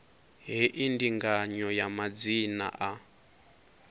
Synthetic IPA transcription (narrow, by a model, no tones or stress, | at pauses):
ɦiʔindiŋɡaɲɔjamad͡zina̰ʔa